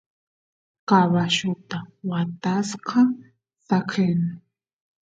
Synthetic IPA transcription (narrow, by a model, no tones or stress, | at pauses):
kaβaʃʊt̪awat̪asqɑ | sakʰenɪ